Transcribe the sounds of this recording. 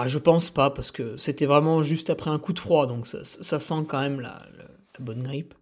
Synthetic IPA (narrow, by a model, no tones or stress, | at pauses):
aʒəpɑ̃spapaʁsə̥kəset̪ɛvʁɛmɑ̃ʒyst̪apχɛɛ̃kud̪əfχwad̪ɔ̃ksa̰ssasɑ̃kɑ̃mɛmla̰lə̰ | labɔnɡʁip